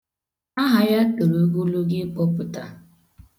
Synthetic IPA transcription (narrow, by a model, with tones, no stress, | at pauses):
a˦ɦa˨ja˦ke˨ɾu˨˦ɡu˦lu˦ɡɪ˦k͡pɔ˦pʊ˨ta̰˨